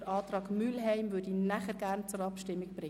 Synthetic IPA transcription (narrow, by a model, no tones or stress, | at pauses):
ɾʔɑːt̪rɑːɡmylɦɛɪmʋʏdinæχəɾɡæɾnt͡sʊɾɑpʃtɪmːɪɡ̚b̥ɾɪ